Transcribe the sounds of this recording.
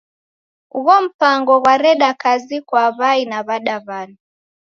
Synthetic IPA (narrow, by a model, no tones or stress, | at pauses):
uɣɔm̩paŋɡɔɣwaɾɛɗakazikwaβainaβaɗaβanu